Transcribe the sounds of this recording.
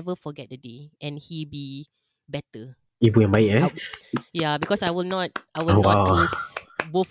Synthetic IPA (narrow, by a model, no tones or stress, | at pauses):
ɛvəfɔɡɛt̚dədeɛ̃nhibi | bɛtə | ibuɛ̃nbajʔɛ | jabikɔsajwilnɔt̚ajwɪlonwawisbof